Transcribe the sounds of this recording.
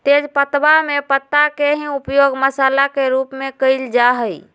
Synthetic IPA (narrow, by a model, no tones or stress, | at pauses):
t̪ed͡ʒpət̪bamepət̪ːakeɦĩupjoɡməsalakeɾupmekəɪld͡ʒaɦəj